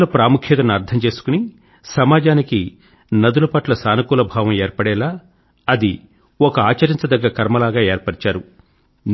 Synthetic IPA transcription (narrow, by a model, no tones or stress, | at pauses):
lɐpɾaːmukʰjɐt̪ɐnuɐɾt̪ʰɐmt͡ʃe̞ːsu̥kuni | sɐmaːd͡ʒaːniki | nɐd̪ulɐpɐʈlɐsaːnɐkuːlɐbʱaːʋɐmeːɾpɐɽɛːlaː | ɐd̪i | ɔkɐaːt͡ʃɐɾint͡sɐd̪ɐɡːɐɾɐkɐɾmɐlaːɡaːeːɾpɐɽit͡ʃaːɾu | n